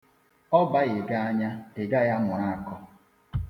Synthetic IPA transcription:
ɔ˦ba˦ɣɪ˨ɡa˦a˦ɲa˦ɪ˨ɡa˦ja˦ŋʷʊ˨ɾa˦˨a˨kɔ˦

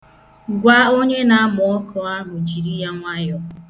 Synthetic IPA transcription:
ɡʷa˦o˦ɲe˦na˦a˦mʊ˨ɔ˦kʰɔ˨˦a˦ɦʊ˨d͡ʒi˨ɾi˦ja˦ŋʷa˦jɔ˦

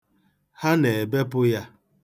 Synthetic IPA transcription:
ha˦ne˨be˦pʊ˦ja˦

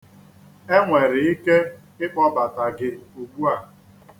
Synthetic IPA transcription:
e˦ŋʷe˨ɾɪ˨i˦ke˦ | ɪ˦k͡pɔ˦ba˨ta˨ɡɪ˨u˨ɡ͡bu˦a˦˨

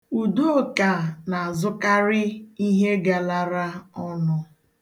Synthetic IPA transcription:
u˨do˦˨ka˨na˨a˨zʊ˦ka˦ɾɪ˦i˦ɦe˦ɡa˨la˦ɾa˦ɔ˦nʊ˦

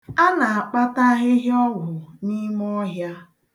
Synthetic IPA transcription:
a˦na˨a˨k͡pa˦ta˦ɦɪ˦ɦjɔ˦wʊ˨ni˦m˦ɔ˦ɦja˦

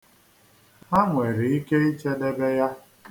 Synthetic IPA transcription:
a˦ŋʷe˨ɾi˨i˦ke˦i˦t͡ʃe˦de˦be˦ja˦

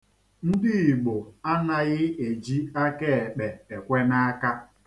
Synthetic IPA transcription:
n̩˦dɪ˦i˨ɡ͡bo˨a˦na˨ɣɪ˦e˨d͡ʒi˦a˦ke˦e˨k͡pe˨e˨kʷe˦na˦a˦ka˦

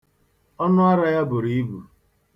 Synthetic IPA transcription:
ɔ˦nʊ˦a˦ɾa˦ja˦bʊ˨ɾi˨i˦bu˨

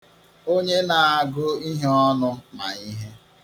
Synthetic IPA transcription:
o˦ɲe˦na˨a˨ɡʊ˦i˦ɦe˦ɔ˦nʊ˦ma̰˨i˦ɦe˦

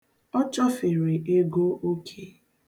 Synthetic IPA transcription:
ɔ˦t͡ʃɔ˦fe˨ɾe˨ʔe˦ɡo˦o˦kʰe˦

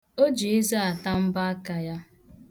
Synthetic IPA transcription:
o˦d͡ʒe˨e˦za˦a˨ta˦m̩˦ba˦a˦ka˨ja˦

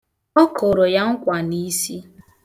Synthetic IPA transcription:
ɔ˦kʊ˨ɾo˨ja˦ŋ̩˦kʷa˨ni˦si˦

